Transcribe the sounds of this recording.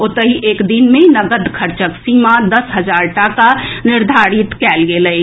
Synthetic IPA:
ʊt̪əɦiʔeːkd̪inmẽnəɡəd̪kʰəɾt͡ʃəksiːmad̪əsɦəd͡ʒaːɾʈakanɪɾd̪ʱaːɾɪt̪kɛːlɡeləj

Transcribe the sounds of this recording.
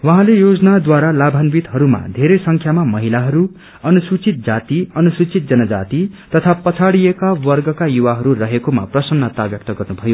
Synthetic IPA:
wʌɦãlejod͡zʌnad̪waɾalabʱanbit̪ɦʌɾuma̰d̪ʱeɾʌjsʌŋkʰjamamʌɦilaɦʌɾu | ʌnusut͡sit̪̚d͡zat̪iʌnusut͡sit̪̚d͡zʌnʌd͡za̰t̪it̪ʌt̪ʰapʌt͡sʰaɽijekawʌrɡʌkajuwaɦʌɾurʌɦekoma̰prʌsʌnːʌt̪abjʌk̚t̪ʌɡʌrnubʱʌjo

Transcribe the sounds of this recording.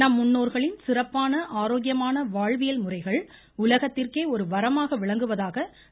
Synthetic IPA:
nɐmːʊnːoːɾɣɐɭɪnsɪrɐpːaːnɐʔaːɾoːɡɪjɐmaːnɐʋaːɻʋɪjɐlmʊrɐɪɣɐɭ | ʊlɐɣɐt̪ːɪrkeːɔɾɯʋɐɾɐmaːɣɐʋɪɭɐŋɡɯʋɐðaːɣɐ

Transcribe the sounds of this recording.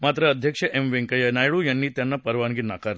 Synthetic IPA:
maːt̪ɾɐːd̪ʱjɐkʂɐʔemʋeŋkɐjɐnaːjɭujɐnːiːt̪janːɐpɐɾʋanɡinːa̰ːkaɾ

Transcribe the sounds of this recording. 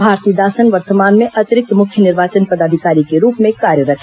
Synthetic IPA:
bʱaːɾt̪iːd̪aːsənʋəɾt̪əmaːnmẽʔɐt̪ɪɾɪk̚t̪mʊkʰjənɪɾʋaːt͡ʃənpɐd̪aːd̪ʱikaːɾikeɾuːpmẽkaːɾjəɾɐkʰ

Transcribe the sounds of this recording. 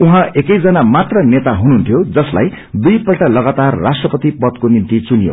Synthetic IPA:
uɦãekʌjd͡zʌnamat̪rʌnet̪aɦununt̪ʰjod͡zʌsla̰j | d̪ujpʌlʈalʌɡat̪arːasʈrʌpʌt̪ipʌd̪̚konimt̪it͡sunijo̰

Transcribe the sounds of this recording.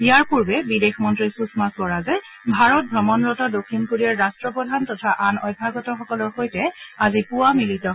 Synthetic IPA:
ijaɹpuɹbɛbidexmɔntɹisusmasɔɹazɛ | bʱaɹɔt̚bʱɹɔmɔnɹɔtɔdokʰːinkuɹiaɹɹastɹɔpɹɔdʱantɔtʰaʔanɔjbʱaɡɔtɔxɔkɔlɔɹxojtɛazipuwamilitɔ

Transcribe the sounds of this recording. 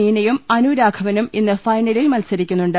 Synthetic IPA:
iːnɐjumɐnuɾaːɡʰʱɐʋɐnuminːɨfɐjnɐlilmɐlsɐɾikʲːunːuɳɖɨ

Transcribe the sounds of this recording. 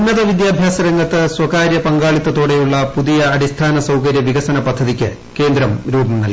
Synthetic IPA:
nːɐðɐʋid̪jaːbʱjaːsɐɾeŋɡɐt̪ːɨswɐkaːɾjɐpɐŋɡaːɭit̪ːɐt̪o̞ːɽe̞juɭːɐpuðijɐɐɽist̪ʰaːnɐsɐwkɐɾjɐʋiɡɐsɐnɐpɐd̪ʱːɐðikʲːɨ | ke̞ːnd̪ɾɐmɾuːbɐmnɐlː

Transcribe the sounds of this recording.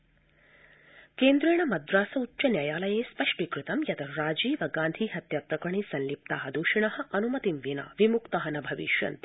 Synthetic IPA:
keːnd̪ɾeːɳɐmɐd̪ɾaːsɐutːt͡ʃɐnjaːjaːlɐjeːspɐʂʈikɾɪt̪ɐmjɐt̪ɐɾaːd͡ʒiːʋɐɡaːnd̪ʱiɦɐt̪jɐpɾɐkɾɐɳisɐnlip̚t̪aːɦɐd̪uːʃiɳɐɦɐ̆ʔɐnumɐt̪imʋina̰ːʋimukt̪ɐɦɐnɐbʱɐʋḭʃjɐ̰nt̪

